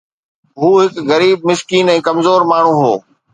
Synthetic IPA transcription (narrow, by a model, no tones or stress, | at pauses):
ɦuːɦɪkɣɐɾiːb̚mɪskiːnɛ̃ːkɐmzoːɾmaːɳ̤ũɦoː